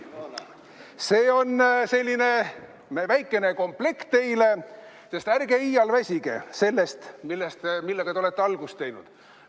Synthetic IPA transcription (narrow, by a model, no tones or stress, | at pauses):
se̞ːo̞nse̞lʲːine̞ | mevæjkːˑe̞ne̞ko̞mple̞kt̪ːejle̞ | se̞st̪ærɡ̥eiːjɑlvæsʲiɡ̥ḛse̞lːest̪milːest̪milːeɡ̥ɑt̪eo̞le̞t̪ːeɑlɡ̥ust̪ːe̞jnud̪̥